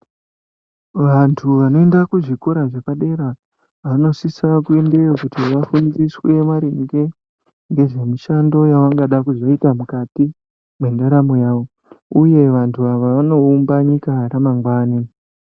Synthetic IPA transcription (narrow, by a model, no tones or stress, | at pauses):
ʋantʰuʋano̞endakuʐiko̞ɾaʐekaɗe̞ɾa | ano̞sisakuendeokutiʋafund͡ziswemaɾiŋɡe̞ | ŋɡe̞ʐe̞miʃando̞jaʋaŋɡaɗakuzo̞itamukati | mwe̞ndaɾamojaːʋo̞ | uje̞ʋantʰuaʋaʋano̞umbaɲikaɾamaŋɡwaːni